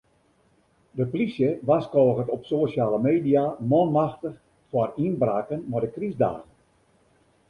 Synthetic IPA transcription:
dəpolisjəʋaskɔːɣətɔpsosjaːləmeːdijamɔnmaxtəx | fwarinbraːkənmɔdəkrizda̰ːɣən

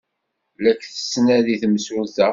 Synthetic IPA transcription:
lækθə̥sːnæðiθəmsʊlθæ

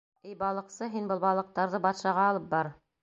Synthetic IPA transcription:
ijbɑlˠɤ̆qsɤɦinbɤlˠbɑlˠɤ̆q̚t̪ɑɾðɤbɑt̪ʃɑʁɑːlˠɤp̚bɑɾ

